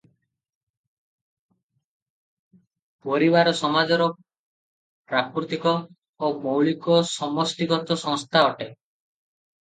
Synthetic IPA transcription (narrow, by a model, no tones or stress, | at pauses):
pɔɾibaɾɔsɔmad͡ʒɔɾɔ | pɾakuɾt̪ikɔ | omowɭikɔsɔmɔsʈ̪iɡɔt̪ɔsɔ̃ŋst̪ʰaɔʈe